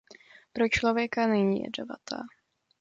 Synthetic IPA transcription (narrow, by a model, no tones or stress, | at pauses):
pɾot͡ʃlovjɛkanɛɲḭːjɛ̰dova̰t̪a̰ː